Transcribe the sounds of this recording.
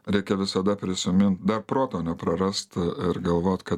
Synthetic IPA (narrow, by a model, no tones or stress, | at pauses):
ɾʲɛɪkʲɛʋʲɪsɐd̪ɐpʲɾʲɪsʲɪmʲɪnt̪̚d̪ɐrpɾoːt̪oːnʲɛpɾɐɾɐst̪ɪɾɡɐlˠʋoːt̪ʲkɐt̪